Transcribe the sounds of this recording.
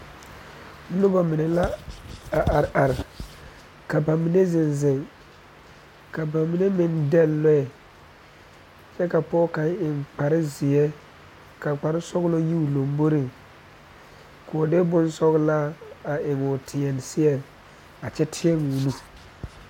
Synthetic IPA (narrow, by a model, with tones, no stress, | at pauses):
lʊ˦ba˨mɪ˨nɛ˨la˦a˨ʔa˨ʔa˨ɾɪ˨ | ka˨ba˨mi˨ne˦zɪ˨nzɪ˨ŋ | ka˨ba˨mi˨ne˦mɪ˦ndɛ˦llɔ˦ɛ˨ | t͡ʃɛ˦ka˨pɔː˦ka˨˦ŋ˦ɪ˨ŋk͡pa˨ɾɪ˦zɪ˨jɛ˦ | ka˨k͡pa˨ɾɪ˦sɔ˦ɣlo˦ji˦u˨lo˨mbo˦ɾɪ˨ŋ | ko˨dɪ˦bʊ˦nsɔ˦ɣla˦a˨ʔɪ˨ŋʊ˨tʰɪ˨ɛ˨n˨sɪ˦ɛ˨ | a˨t͡ʃɛ˦tʰɪ˦ɛ˦ŋu˨nu˦